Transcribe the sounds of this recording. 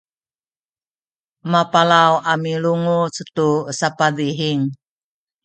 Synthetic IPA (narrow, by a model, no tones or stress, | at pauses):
mapalawʔamiluŋut͡sət̪usapad̪iɦiŋ